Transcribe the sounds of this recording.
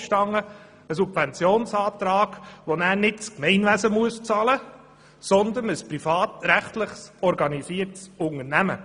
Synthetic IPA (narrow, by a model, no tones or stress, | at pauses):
ʃtɑŋːə | əsubvɛnt͡sjoːnsɑːt̪ɾɑːɡ̥ʋonæːɾnɪtt͡skmɛɪnʋæsəmuəst͡sɑlə | sɔnd̪ənəspɾifɑːt̪ɾæχtlɪχsɔɾɡɑnisiːəɾtsʊŋənæmə